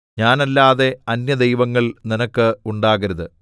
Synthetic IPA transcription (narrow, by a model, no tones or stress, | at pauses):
ɲaːnɐlːaːðe̞ɐnjɐd̪ejʋɐŋːɐɭninɐkːɨuɳɖaːɣɐɾɐðɨ